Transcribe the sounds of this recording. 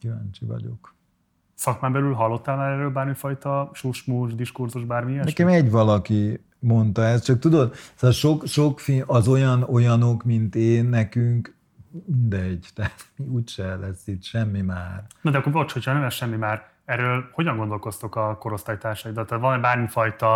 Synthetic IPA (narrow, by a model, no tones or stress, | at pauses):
kiva̰nt͡ʃivɒ̰ɟo̞̰k | sɒkmaːmbɛlylɦɒlːo̞t̪ːaːlmaːɾɛrøːlbaːrmifɒjt̪ɒʃuːʃmuːʒd̪iʃkurzuʒbaːrmiɛnɛkɛmɛɟʋɒlɒki | mo̞nt̪ɒɛst̪t͡ʃɒk̚t̪ud̪o̞d̪sɒʃo̞kʃo̞kfiɒzo̞jɒno̞jɒno̞kmint̪eːnːɛkyŋk | mind̪ɛɟt̪ɛt̪miuːcʃɛlɛsːit̪ʃɛmːimaːrnod̪ɛɒkːoɾvot͡ʃho̞chɒnɛmɛsʃɛmːimaːɾ | ɛɾːøːlho̞ɟɒŋɡond̪o̞lko̞st̪okɒko̞ɾo̞st̪ajt̪aːrʃɒjid̪ɒt̪ːaːt̪vɒnɛbaːrmifɒjt̪ɒ